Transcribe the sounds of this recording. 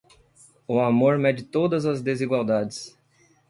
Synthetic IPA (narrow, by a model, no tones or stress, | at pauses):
ʊamoɾmɛd͡ʒɪt̪od̪ɐzɐzd̪eziɡwawd̪ad͡ʒɪs